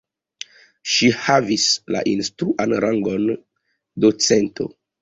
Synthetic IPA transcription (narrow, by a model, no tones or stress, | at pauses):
ʃihavisla̰ʔinstɾuʔanɾaŋɡo̞n | dot͡sentʰo̞̰